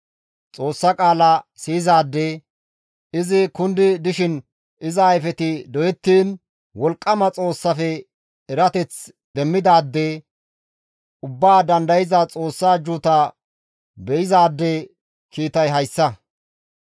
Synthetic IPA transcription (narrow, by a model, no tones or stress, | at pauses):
t͡sʼo̞ːsːɐkʼaːlɐsiːɪzaːd̪ːe | ɪzɪkʊnd̪ɪd̪ɪʃɪn | ɪzɐːjfɛt̪ɪd̪ɔjɛt̪ːiːn | wɔlkʼːɐmɐt͡sʼo̞ːsːɐfɛ | ɛɾɐt̪ɛt͡s | d̪̥ɛmːɪd̪aːd̪ːe | ʊbːaːd̪ɐnd̪ɐjɪzɐt͡sʼo̞ːsːaːd͡ʒut̪ɐ | bɛjɪzaːd̪ːe | kiːt̪ɐjɦɐjsːɐ